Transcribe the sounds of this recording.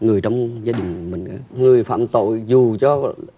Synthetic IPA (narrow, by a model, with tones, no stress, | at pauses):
ŋɨ˨˩əjt͡ɕɔ˧wŋ͡mzaː˧ɗï˨˩ŋ̟mï˨˩ŋ̟ʔa̰ː˨˧˦ŋɨ˨˩əjfa̰ː˧˨mt̪o̰˧˨jzu˨˩t͡ɕɔ˧